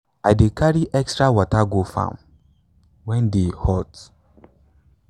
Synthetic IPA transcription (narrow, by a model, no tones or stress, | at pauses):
ajdekaɾiʔɛkstɹawɔtaɡofã̰m | wɛ̃ndehɔt